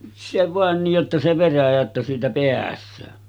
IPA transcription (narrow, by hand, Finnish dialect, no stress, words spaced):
se ʋɑˑen nij jotːɑ se ʋeræjæ etːæ siːtæ peæsˑøː